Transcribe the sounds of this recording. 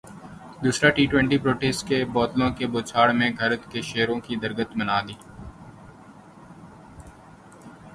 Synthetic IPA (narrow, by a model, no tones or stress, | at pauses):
d̪uːsɾaʈiːʈwɛ̃ɳʈiːpɾoːʈeːsʈkebɔːt̪lõkeboːt͡ʃʰaːɽmẽɡʱəɾət̪keʃeːɾõkid̪əɾɡət̪mənaːd̪iː